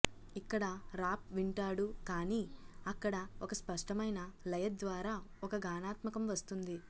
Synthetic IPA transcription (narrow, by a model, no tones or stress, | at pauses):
ikːɐɽɐɾaːp̚ʋiɳʈaːɽukaːniːɐkːɐɽɐɔkɐspɐʂʈɐmɐjnɐlɐjɐt̪̚d̪ʋaːɾaːɔkɐɡaːnaːt̪mɐkɐmʋɐst̪und̪i